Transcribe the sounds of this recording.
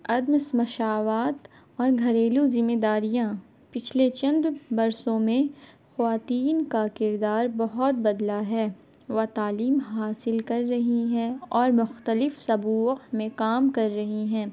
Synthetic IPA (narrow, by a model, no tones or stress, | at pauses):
ɐd̪msmɐʃaːʋaːt̪ | ɔːɾɡʱɐɾeːluzɪmːeːd̪aːɾijã | pɪt͡ʃʰlet͡ʃɐ̃nd̪bɐɾsõmẽ | xɐʋaːt̪iːnkakɪɾd̪aːɾbɐɦʊt̪̚bɐd̪laɦɛː | ʋɐt̪aːliːmɦaːsɪlkɐɾːɐɦiɦɛ̃ɔːɾmʊxt̪əlɪfsɐbuːmẽkaːmkɐɾːɐɦiɦɛ̃ː